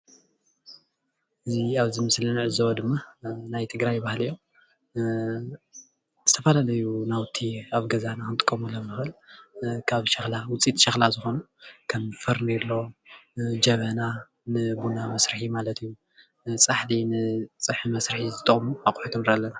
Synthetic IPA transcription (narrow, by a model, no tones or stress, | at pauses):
ʔɨziaβzimɨslɨnʕɨzɐwɐd̪ɨmːanajt̪ʰɨɡɾajːβahlijːo̞ | z̥ɨt̪ʰɐfalalɐjunawt̪ʰiaβɡɐzanakɨnt̪ʼɨ̥kʼːɐmulɐmːɨxɨlkʰaβʃɐxlawʊt͡sʼit̪ʼʃɐxlazɨxo̞nu | kʰɐmfɐɾnelːo̞ | d͡ʒɐβɐna | nɨbunamɐsɾɨħimalɐt̪ʰɨjːu | t͡sʼaħlinɨt͡sʼɨħimɐsɾɨħizɨt̪ʼɐχʼmuakʼħut̪ʰɨmɾalːɐna